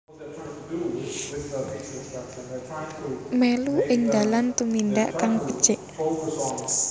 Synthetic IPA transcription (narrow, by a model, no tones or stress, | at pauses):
meluʔɪŋd̪alant̪umindaʔkaŋpəd̥t͡ʃɪʔ